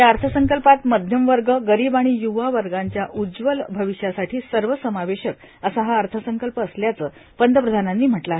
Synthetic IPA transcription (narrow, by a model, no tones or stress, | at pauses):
jaəɾt̪ʰəsəŋkəlpat̪məd̪ʱjəmʋəɾɡəɡəɾiːbaɽ̃iːjuʋaʋəɾɡaɲt͡ɕjaʔud͡zʋəlbʱəʋiɕjasaʈʰiːsəɾʋəsəmaʋeɕək̚ | əsaɦaəɾt̪ʰəsəŋkəlpəːsljat͡səː | pənd̪əpɾəd̪ʱananːiːm̤əʈla